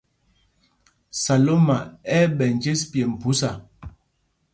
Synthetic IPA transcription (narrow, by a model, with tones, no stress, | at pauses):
sa˨lo˦ma˨ɛ˦bɛ˨n˨d͡ʒe˦spje˨m̩˨pu˨˦sa˨